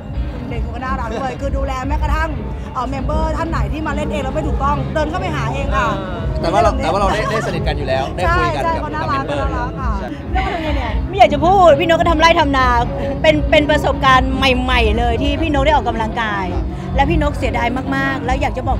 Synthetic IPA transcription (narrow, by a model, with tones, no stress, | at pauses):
le˨˩uː˨˩ka˧naː˥˩ɾa˦˥oː˧˩jkʰɯː˧duː˧lɛː˧mɛ˦˥˩kɔ˧˩t̪ʰa˥˩ŋ | ʔəː˨˩mɛ˧mbɤː˧˥˩t̪ʰa˥˩nːa˨˩˦jt̪ʰiː˥˩maː˧le˥˩nʔeː˧ŋɾa˧wma˥˩jt̪uː˨˩k̚t̪ɔ˥˩ŋt̪ɤː˧nkʰa˥˩wpa˥˩jɦaː˩˦ʔeː˧ŋʔa˨˧˩ | t̪ɛː˨˩waː˥˨˩ɛː˨˩waː˥˩ɾa˧da˥˩jdaː˥˩jsa˧ni˨˩ka˧njuː˨˩lɛː˦˥wda˥˩t͡ɕʰa˥˧˩jt͡ɕʰa˥˩jkʰɔ˦˥naː˥˧˩laː˦˥kɔ˧˥naː˥˩laː˦˧˥kaː˧˩˧ | k̪ːʰnaː˧ni˧˩ma˥˩jaː˨˩k̚t͡ɕa˨˩pʰuː˥˩tt̪̚pʰiː˥˩no˦˥kːɔ˥˩t̪ʰmlaː˥˩jt̪ʰa˧mnaː˧ | pe˧npe˧npɾa˧so˨˩p̚kaː˧nma˨˩jma˨˩jlɤː˧jt̪ʰiː˥˩pʰiː˥˩no˦˥daː˥˩ʔɔː˨˩ka˧mla˧ŋkaː˧j | lɛː˦˥wpʰiː˥˩no˦˥k̚si˨˩˦daː˧jmaː˥˩k̚maː˥˩k̚lɛ˦˥wjaː˨˩k̚t͡ɕa˨˩bɔː˨˩